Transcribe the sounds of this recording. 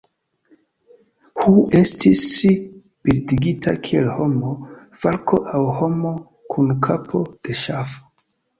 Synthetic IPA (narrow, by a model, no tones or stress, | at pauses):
huestis | piɾdiɡitʰa̰kʰielho̞mofalkʰo̞ʔawho̞mo | kʰunkʰapʰo̞d̥e̞ʃafo̥